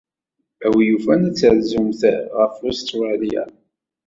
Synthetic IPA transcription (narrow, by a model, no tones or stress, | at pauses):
æwijufænæt͡sːəɾzumθæʁəfost̪ɾɑlija̰